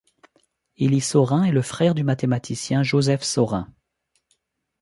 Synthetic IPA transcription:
ilisɔʁɛ̃ɛləfχɛʁd̪ymat̪emat̪ʰisjɛ̃ʒozɛfsɔʁɛ̰̃

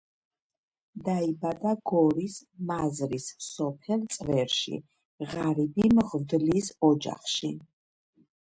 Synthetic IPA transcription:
d̪aibad̪aɡɔɾismazɾissɔpʰɛlt̪sʼvɛɾʃḭ | ʁaɾibimʁvd̪lisɔd͡ʒa̰χʃi

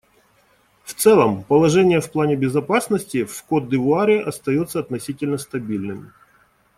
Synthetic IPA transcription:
ft̪sɛlˠəmpəlˠɐʐɛnʲɪjəfplˠanʲɪbʲɪzɐpasnəsʲtʲɪfkod̪̚d̪ɨvʊaɾʲɪʔɐst̪ɐjo̞t̪səɐt̪nɐsʲitʲɪlʲnəst̪ɐbʲilʲnɨmʲ

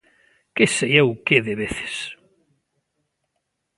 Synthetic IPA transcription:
kesejewkeðeβeθe̥s

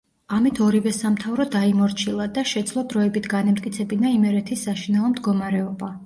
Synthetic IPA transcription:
amit̪ʰɔɾivɛsamt̪ʰavɾɔd̪aimɔɾt͡ʃʰilˠad̪aʃɛd̪zlˠɔd̪ɾɔɛbit̪ʰɡanɛmt̪ʼkʼit̪sʰɛbinaimɛɾɛt̪ʰisːaʃinɛɔmd̪ɡɔmaɾɛɔba

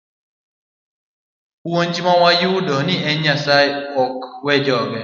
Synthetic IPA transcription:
uwon̩d͡ʒimaŋʷajɪʊdɔnieasaɪɔkwed͡ʒɔɡe

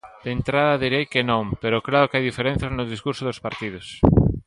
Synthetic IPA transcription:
d̪̥ent̪ɾaðɐðiɾejkenõŋpeɾoklaɾokeajðifeɾẽn̟θjaznʊðiskuɾsoðospaɾt̪iðʊs

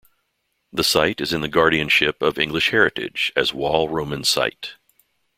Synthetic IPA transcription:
ðəsaɪɾɨzɨ̃nðɨɡɑɹɾiɨ̃nʃɪpʌvɪ̰̃ŋɡlɨʃhɛɹɨɾɪ̰̥d͡ʒɨzwɔlˠɹõʊ̃mɨ̃nsa̰ɪt

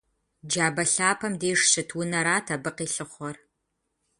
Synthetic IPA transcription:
d͡ʒaːbɐɬaːpʰɐmdeːʂɕɨtʰwʊnɐɾaːtʰabɨqiːɬɨχʷɔr

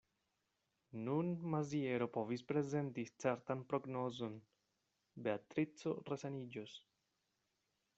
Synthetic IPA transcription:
nunmazie̞ɾo̞po̞vispɾe̞ze̞ntit͡se̞ɾtanpɾo̞ɡno̞zo̞n | be̞at̪ɾit͡so̞resanid͡ʒos

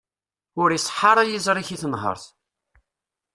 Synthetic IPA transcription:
ʊɾisˤħːɑɾˤajizˤɾˤiçiθənɦə̰ɾˤθ

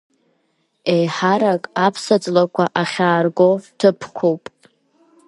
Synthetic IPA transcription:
ejħaɾakʼapʰsad͡zʼlakʷʰaʔaχʲaːrɡo̞tʰɨpʰkʷʰowpʼ

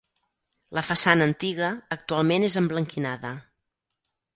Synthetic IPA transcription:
ləfəsanəːnt̪iɣəːk̚t̪ualˠmenezəmbləŋkinaðə

